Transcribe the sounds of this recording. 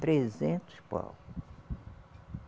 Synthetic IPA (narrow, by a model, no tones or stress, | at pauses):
t̪ɾezẽnt̪ʊ̥spɔ̰l